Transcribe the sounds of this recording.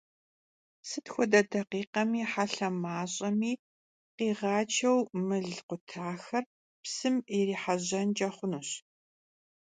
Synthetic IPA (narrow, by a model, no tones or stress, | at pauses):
sɨtxʷɔdɐdɐqiːqɐmiːħaɬɐmaːɕʼɐmiː | qiːʁɑːt͡ʃʰɐwmɨɮqʷʊtʰaːxɐr | psɨmiriːħaʑɐnd͡ʒʼɐχʷʊnuɕ